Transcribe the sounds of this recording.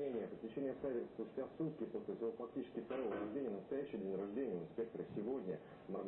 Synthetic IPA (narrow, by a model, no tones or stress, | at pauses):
enʲɪjəpəsʲtʲɪt͡ɕenʲɪjəfst̪ʲpʊsʲtʲasut̪̚kʲɪposʲlʲɪsʲɪvofɐk̚tʲit͡ɕɪ̥skʲɪft̪ɐɾo̞vəɾɐʐd̪ʲenʲɪjənəst̪ɐjæɕːɪjdʲenʲɾɐʐd̪ʲenʲɪjəʊɪnspʲe̞k̚t̪əɾəsʲɪvo̞dʲnʲə | mɐrɡ